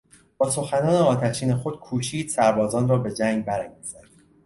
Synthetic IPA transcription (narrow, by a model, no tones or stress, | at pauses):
bɒːso̞xænɒːneɒːt̪ʰæʃiːne̞xo̞d̪̥̚kʰuːʃiːd̪̥sæɾbɒːzɒːnrɒːbe̞d͡ʒæŋɡ̚bæɾæŋɡizæɾ̥